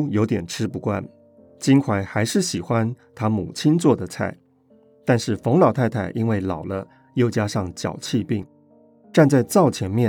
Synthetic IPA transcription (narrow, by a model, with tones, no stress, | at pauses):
jo˧˥ʊt̪jɛ˨˩nʈ͡ʂʰɻ̩˥pu˧˥kwa̰˥n | t͡ɕi˥nkʰwa˧˥ɪxa˧˥ɪʂɻ̩˥˩ɕi˨˩xwa˦nt̪ʰa˥mṵ˨˩t͡ɕʰi˥nt͡swɔ˥˩d̪ə˩t͡sʰa̰˥˩ɪ | t̪a˥˧nʂɻ̩˥˩fo˧˥ŋlɑ˨˩ʊt̪ʰa˥˧ɪt̪ʰa˥˩ɪʔi˥nwe˥˩ɪlɑ˨˩ʊlə˦ | jo˥˩ʊt͡ɕja˥ʂɑ˥˩ŋt͡ɕjɑ̰˨˩ʊt͡ɕʰi˥˧pi˥˩ŋ | ʈ͡ʂa˥˧nt͡sa˥˧ɪt͡sɑ˥˩ʊt͡ɕʰjɛ˧˥nmjɛ˥˩